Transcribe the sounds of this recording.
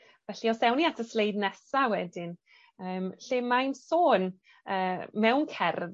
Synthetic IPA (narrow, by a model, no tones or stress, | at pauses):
vɛɬiɔsɛwniatʰəslejdnɛsawɛdɪn | əːmɬɪmajnsoːn | əːmɛwnkʰɛr